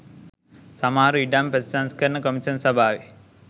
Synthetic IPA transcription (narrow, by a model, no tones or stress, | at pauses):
sɐmaːɾuiɖaːmpɾɐd̪isaːnskɐɾɐɳɐkɐmiʃɐnsɐbʱaːʋi